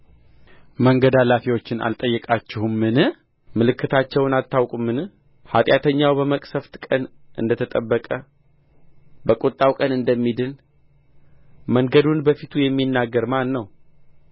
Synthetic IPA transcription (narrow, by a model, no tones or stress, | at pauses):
məŋɡəd̪alafiwo̞t͡ʃːɪna̰lt̪ʼəjːɛkʼat͡ʃːɪhumːɨnɨ | mɨlɨkʰːɨt̪ʰat͡ʃːɛwnalt̪ʰːawkʼumːɨnɨ | hat̪ʼjat̪ʰəɲːawbəməkʼsəft̪kʼən | ʔɨ̰nd̪ət̪ʰət̪ʼəbːəkʼə | bəkʼot̪ʼːawkʼənɨnd̪əmːid̪ɨn | məŋɡəd̪unbəfit̪ʰujɛmːinːaɡːəɾmanːəw